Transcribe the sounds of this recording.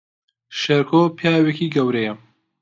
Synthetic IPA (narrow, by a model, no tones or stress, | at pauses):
ʃɐɾkʰoːpʰjaːwekiɡɐwɾejɐ